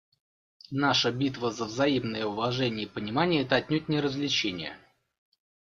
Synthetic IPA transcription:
naʂəbʲit̪vəzəvzɐimnəjəʊvɐʐɛnʲɪəpənʲɪmanʲɪjəɛt̪əɐtʲnʲot̪̚ʲnʲɪɾəzlʲɪt͡ɕenʲɪ̰jə̰

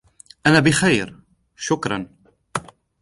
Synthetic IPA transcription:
ʔanaːbɪxajɾ | ʃʊkɾˤɑ̰n

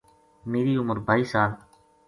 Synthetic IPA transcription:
meːɾiːʊməɾbʱaːiːsaːl

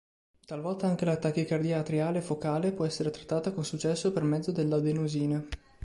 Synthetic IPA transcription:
t̪alvɔlt̪aaŋk̟elat̪ak̟ːikard̪iat̪ɾiaːlefokaːlepwɔɛsːeɾet̪ɾat̪ːaːt̪akonsut͡ʃːɛsːopermɛd̪zːod̪elːad̪enuziːna

